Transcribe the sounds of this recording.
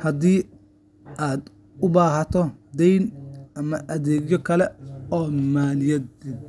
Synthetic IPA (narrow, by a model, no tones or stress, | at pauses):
hɐd̪iː | ʔaːd̪ | ʊbaːɦɐt̪ʰɔd̪ɛjnʔɐmɐʔɐðɛːɡjɔkʰɐlɛɔːmaːlɪjɛd̪̚ɪb